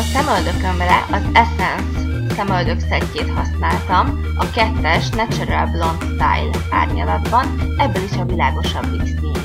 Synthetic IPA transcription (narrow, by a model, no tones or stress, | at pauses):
ɒsɛmøld̪økømrɛʔɒzɛsɛnsː | ɛmøld̪ø̞ksɛcːeːt̪hɒsnaːlt̪ɒm | ɒkɛt̪ːɛʃnɛt͡ʃɛɾɛlblo̞nt̪st̪a̰jla̰ːrɲɒ̰lɒd̪bɒnɛbːɛliʃɒvilaːɡo̞ʃɒbːiksi